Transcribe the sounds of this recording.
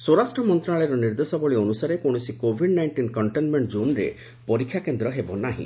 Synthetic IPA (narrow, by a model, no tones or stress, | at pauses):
swoɾasʈɾɔmɔnt̪ɾaɭɔjɾɔniɾd̪esɔbɔɭiɔnusaɾekoɽ̃ɔsikobʱiɖnajɳʈinkɔɳʈenmeɳʈd͡ʒunɾḛ | pɔɾikʰːjakend̪ɾɔɦebɔnaɦḭ̃